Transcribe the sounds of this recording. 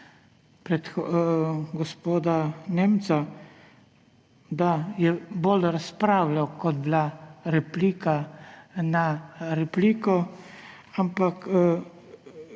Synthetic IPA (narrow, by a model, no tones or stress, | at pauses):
pɾɛt̪ | ɡɔspoːd̪aneːmt̪sa | d̪ajɛbolɾaspɾaːwlawkɔd̪̚blaɾɛpliːka | naɾɛpliːkɔ | ampak